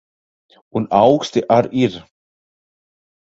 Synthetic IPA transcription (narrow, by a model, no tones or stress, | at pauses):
unawxst̪ɪʔaɾiɾ